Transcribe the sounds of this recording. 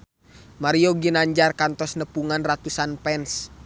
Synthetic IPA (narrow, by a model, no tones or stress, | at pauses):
maɾioɡinaɲd͡ʒarkant̪ɔsnəpuŋanrat̪usanpɛns